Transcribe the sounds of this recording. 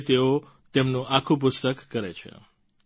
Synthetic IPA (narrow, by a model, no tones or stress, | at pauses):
t̪eo | t̪emnũʔakʰũp̬ʊst̪əkːəɾet͡ʃʰḛ